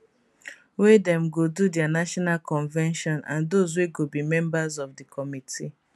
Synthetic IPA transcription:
wedɛ̃mɡodudɛanaʃɔnalkʰɔ̃nvɛ̃nʃɔ̃nã̰ndozweɡobimɛ̃mbazɔvdikʰɔmitʰi

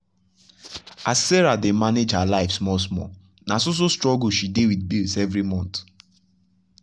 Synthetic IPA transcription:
asːɛɹademaned͡ʒhalaɪfsmɔsmɔ̰ | nasos̬ostɹɔɡl̩ʃidewid̚bilˠsɛvɹimɔ̃nt

